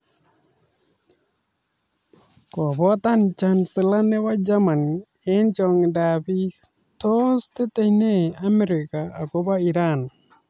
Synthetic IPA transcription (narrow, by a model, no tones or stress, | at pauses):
kwɔβɔtant͡ʃansɪlanɛwad͡ʒamaniɛnt͡ʃɔŋdaβi | tostetɛineamɛɾɪkaːkoβaiɾan